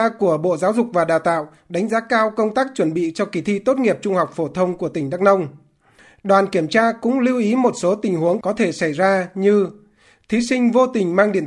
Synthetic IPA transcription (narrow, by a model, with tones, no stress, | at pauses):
ku˧˩əɓo̰˧˨zaː˨˦wzʊ˨˩k͡p̚vaː˨˩ɗaː˨˩wt̪a̰ː˧˨w | ɗa˨˦ŋ̟zaː˨˦kaː˧wkə˧wŋ͡mt̪aː˦˥k̚t͡ɕwə˧˩nɓḭ˧˨t͡ɕɔ˧ki˨˦t̪ʰi˧t̪o˦˥t̚ŋi˨˩əp̚t͡ɕʊ˧ŋ͡mha˨˩wk͡p̚fo˧˩t̪ʰə˧wŋ͡mku˧˩ət̪ï˧˩ŋ̟ɗa˦˥k̚nə˧wŋ͡m | ɗwaː˨˩nki˧˩əmt͡ɕaː˧kʊ̰˧˥ŋ͡mli˧wʔi˨˦mo˨˩t̚so˨˦t̪ï˨˩ŋ̟hu˨˦əŋkɔ˨˦t̪ʰe˧˩sa˧˩jzaː˧ɲɨ˧ | t̪ʰi˨˦sï˧ŋ̟vo˧t̪ï˨˩ŋ̟maː˧ŋɗi˧˩ən